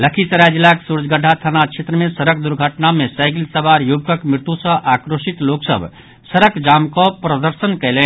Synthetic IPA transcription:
ləkʰisəɾad͡ʒilːaksuɾd͡ʒɡʱəɖʰʱat̪ʰanat͡ʃʰet̪ɾəmẽsəɾək̚d̪uɾɡʱəʈnamẽsaɪɡilsəbaɾjubkəkmɾɪt̪usə̃ʔakɾoːsit̪loːksə̰bʱ | səɾəkd͡ʒamkɔpɾəd̪əɾsənkɛɪle

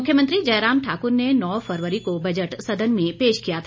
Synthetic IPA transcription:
ʊkʰjəmə̃nt̪ɾid͡ʒɐjɾaːmʈʰaːkʊɾnenɔːfʰɐɾʋəɾikobɐd͡ʒəʈsɐd̪ənmẽpeːʃkijat̪ʰa

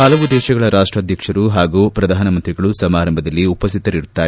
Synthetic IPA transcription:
ɐlɐʋud̪ɛːʃɐɡɐɭɐɾʔaːʂʈɾaːd̪ʱjɐkʂɐɾuɦaːɡuːpɾɐd̪ʱaːnɐmɐnt̪ɾiɡɐɭusɐmaːɾɐmbʱɐd̪ɐlːiupɐst̪ʰit̪ɐɾiɾut̪ːaː

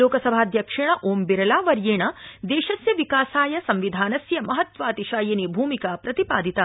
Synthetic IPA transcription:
loːkɐsɐbʱaːd̪jɐkʂɐɳɐʔoːmbiɾɐlaːʋɐɾjeːɳɐd̪eːʃɐsjɐʋikaːsaːjɐsɐmʋid̪ʱaːnɐsjɐmɐɦɐt̪ʋaːt̪iʃaːjɐnibʱuːmikapɾɐt̪ipaːd̪ʱit̪a

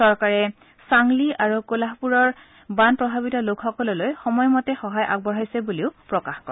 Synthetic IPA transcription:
sɔɹkaɹɛ | saŋliʔaɹukolaɦpuɹɔɹ | banpɹɔbʱabitɔlokxɔkɔlɔlojxɔmɔjmɔtɛxɔɦajʔa̰ɡ̚bɔɹajsɛbuliʊpɹɔkaxkɔɹ

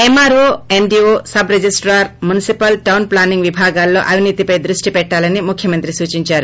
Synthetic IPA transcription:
emaːɾoemɖioːsɐbɾed͡ʒisʈɾaːɾmunisipɐlʈɐwnplaːniŋɡʋibʱaːɡaːlːo̞̰ːʔɐʋʱiniːt̪ipɐjd̪ɾuʂʈipɛʈːaːlɐnimukʰjɐmɐnt̪ɾisuːt͡ʃiɲt͡ʃaːɾu

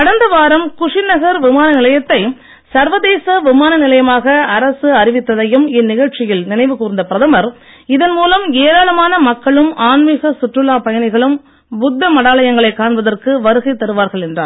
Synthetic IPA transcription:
kɐɽɐnd̪ɐʋaːɾɐmkʊʂɪnɐɣɐɾʋɪmaːnɐnɪlɐjɐt̪ːɐɪ | sɐɾʋɐðeːsɐʋɪmaːnɐnɪlɐjɐmaːɣɐːɾɐsɯɐɾɪʋɪt̪ːɐðɐjɯmɪnːɪɣɐɭt͡ʃɪjɪlnɪnɐɪʋɯkuːɾɪnd̪ɐpɪɾɐðɐmɐɾ | ɪðɐnmuːlɐmeːɾaːɭɐmaːnɐmɐkːɐɭɯmʔaːnmiɣɐsʊʈrɯlaːpɐjɐnɐɪɣɐɭɯm | bʊd̪ːɐmɐɽaːɭɐjɐŋɡɐɭɐɪkːaːɳbɐðɐrkɯʋɐɾɯɣɐɪt̪ːɐɾɯʋaːɾɣɐɭɛndra̰ːɾ

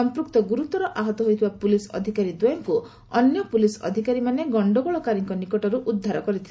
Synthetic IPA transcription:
ɔmpɾukt̪ɔɡuɾut̪ɔɾɔʔaɦɔt̪ɔɦojt̪ʰibapulisɔ̰d̪ʱikaɾid̪ɔjɔŋku | ɔ̰njɔpulisɔ̰d̪ʱikaɾimaneɡɔɳɖɔɡɔɭɔkaɾiŋkɔnikɔʈɔɾuʔud̪ʱːaɾɔkɔɾit̪ʰil

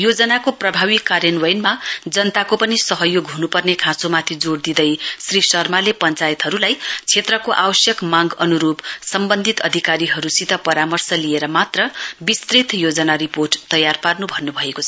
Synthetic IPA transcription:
jod͡zʌnakoprʌbʱaβikːarjʌnwʌjnmad͡zʌnt̪akopʌnisʌɦʌjoɡɦunupʌrnekʰãsomat̪ʰid͡zord̪id̪ʌjsrisʌrmalepʌnt͡sajit̪ɦʌɾulajt͡sʰet̪rʌkoʔawʌsjʌkmaɡʌnuɾubsʌmbʌnd̪ʱit̪ʌd̪ʱikaɾiɦʌɾusit̪ʌpʌɾamʌrsʌlieɾʌmat̪rʌbist̪rit̪jod͡zʌnaɾiporʈt̪ʌjarparnubʱʌnːubʱʌekot͡sʰʌ̥

